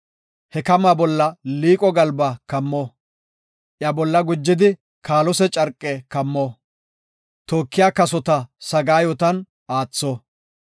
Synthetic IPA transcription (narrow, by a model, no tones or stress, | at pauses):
hɛkɐmabɔlːɐliːkʼɔɡɐlbɐkɐmːɔ | ʔjɐbɔlːɐɡʊd͡ʒːɪd̪ɪ | kʰaːlɔsɛt͡ʃʼɐɾkʼːɛkɐmːɔ | t̪oːkːɪjaːkɐsɔt̪ɐsɐɡaːjɔt̪ɐn | aːt͡sːɔ